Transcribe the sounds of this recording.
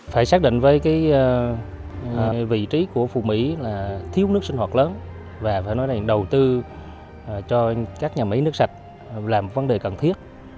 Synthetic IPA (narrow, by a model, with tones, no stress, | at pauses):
faː˧˩jsaː˦˥k̚ɗḭ˧˨ŋ̟vəː˨˦jkaː˨˦j | vḭ˧˨t͡ɕi˨˦ku˧˩əfṵ˧˨˩mḭ˧˥laː˨˩t̪ʰi˧əwnɨ˦˥ək̚si˧ŋ̟hwaː˨˩ləː˨˦n | vaː˨˩faː˧˩jnɔ˨˦za˨˩ŋɗə˨˩wt̪ɨ˧˨˩ | t͡ɕɔ˧kaː˦˥k̚ɲaː˨˩mḭ˨˦jnɨ˦˥ək̚sa˨˩t̚ | laː˨˩m̚˨˩və˨˦nɗe˨˩kə˨˩nt̪ʰi˦˥ət̚